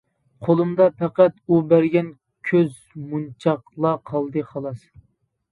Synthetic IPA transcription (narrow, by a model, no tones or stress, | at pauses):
qʰolˠumd̪ɑpʰɛqæt̪ubæɾɡʲɛn | kʲʰøz | munt͡ʃʰɑqlˠɑqʰɑlˠd̪ɨχɑlˠɑs